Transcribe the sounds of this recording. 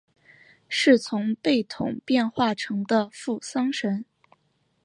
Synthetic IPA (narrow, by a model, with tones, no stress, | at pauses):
ʂɻ̩˥˩t͡sʰʊ˧˥ŋpe˥˩ɪt̪ʰʊ̰˨˩˦ŋpjɛ˥˧nxwa˥˩ʈ͡ʂʰɤ˧˥ŋd̪ə˧fu˥˩sɑ˥ŋʂə˧˥n